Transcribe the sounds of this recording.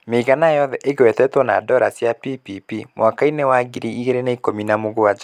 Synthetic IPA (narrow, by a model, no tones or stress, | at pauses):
meɣanajɔðɛʔeɣewɛtɛtwɔna̰dɔɾasjapipipimwakainewaɡiɾiiɣeɾenaikominamoɣoad͡ʒa